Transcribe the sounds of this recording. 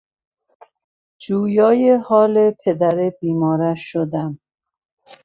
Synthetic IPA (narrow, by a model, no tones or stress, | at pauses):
d͡ʒuːjɒːjehɒːlepʰed̪æɾebiːmɒːɾæʃːod̪æm